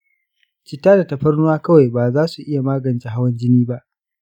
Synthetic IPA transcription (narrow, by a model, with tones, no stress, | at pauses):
t͡ʃɪ˨tːaː˦da˨tɐ˨ɸɐ˦rnʊ˦waː˦kɐ˦wa˨jbaː˨zaː˦su˨ʔɪ˦ja˨maː˦ɡɐ˨nt͡ʃe˨ɦa˦wɐ˦nd͡ʒɪ˦niː˦ba˦ʔ